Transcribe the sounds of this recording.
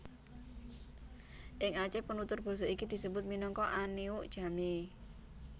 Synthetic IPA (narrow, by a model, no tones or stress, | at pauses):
ʔɪŋat͡ʃɛpənut̪ʊrb̥ɔ̤sɔikid̪̥i̤səbʊt̪̚minɔŋkɔʔaniʊʔd̥ʒ̥a̤me